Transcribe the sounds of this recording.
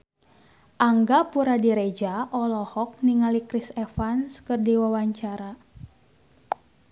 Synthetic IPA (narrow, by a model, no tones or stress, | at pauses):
ʔaŋɡapuɾadiɾed͡ʒaʔɔlɔhɔk̚niŋalikɾisɛfanskɨrdiwawaɲt͡ʃaɾa